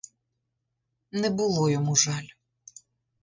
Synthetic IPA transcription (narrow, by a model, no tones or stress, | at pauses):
nɛbʊlˠɔjɔmuʒɑlʲ